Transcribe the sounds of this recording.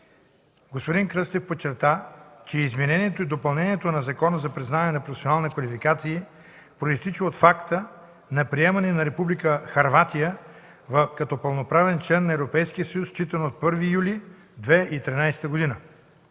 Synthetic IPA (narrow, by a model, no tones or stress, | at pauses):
ɡospod̪iŋkɾɤst̪ɛfpot͡ʃːɛɾt̪at͡ʃɛizmɛnɛniɛt̪oid̪opɐlˠnɛniɛt̪onɐzɐkɔnəzɐpɾiznavɐnɛnɐpɾofɛ̥sionalˠnɐkvɐlifikat̪siː | pɾoist̪it͡ʃioot̪fakt̪ə | nɐpɾiɛmɐnɛnɐɾɛpublikəxɐɾvat̪ijə | vɐfkɐt̪ɔpɐlˠnopɾavɛnt͡ʃlɛnːɐɛvɾopɛjsk̟ijəsɐjust͡ʃit̪ɐnoot̪̚pɤɾvijuli | d̪vɛit̪ɾinajsɛ̥t̪əɡod̪inə